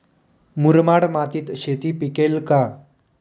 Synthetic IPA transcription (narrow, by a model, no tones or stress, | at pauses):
muɾmaɽmat̪iːt̪ɕet̪iːpikelka